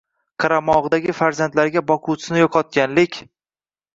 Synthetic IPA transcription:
qʰɑɾamɒʁd̪aɡʲɪfaɾzant̪laɾɡʲabɒqʰut͡ʃʰɪ̥ɪnɪjɒqʰɒt̪̚kʲanlɪkʲ

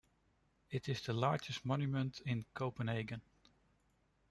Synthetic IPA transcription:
ɪtɪzðəlɑɹd͡ʒəstmɔ̃njumə̃ntʰɪ̃nkʰoʊpə̃neɪɡə̃n

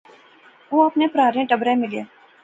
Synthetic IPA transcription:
ʋoːɐpnepɾaːɾẽʈɐbɾemɪleː

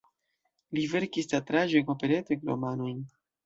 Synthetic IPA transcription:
live̞ɾkistatɾaʒekopeɾeteklo̰manojn

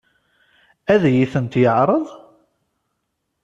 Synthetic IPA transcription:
æðjiθənt̪jəʕɾˤəðˤ

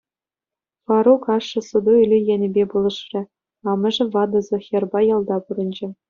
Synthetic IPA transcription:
fɑɾukɑʂːɤ̆sŭd̪uylʲijænʲɘ̆bʲebulˠɤ̆ʂrʲɘ̆ | ɑmɤ̆ʐɘ̆vɑd̪ɤ̆zɤ̆xʲĕrbɑjɑlˠd̪ɑpuɾɤ̆nʲd͡ʑɘ̆

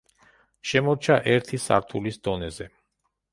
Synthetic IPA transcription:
ʃɛmɔɾt͡ʃʰaʔɛɾt̪ʰisa̰ɾt̪ʰulisd̪̥ɔnɛzɛ

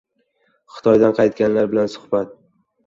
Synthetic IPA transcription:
χɨ̥t̪ʰɒjd̪anqʰɑjt̪̚ɡʲanlaɾbɪlansʊ̥hbat̪̚

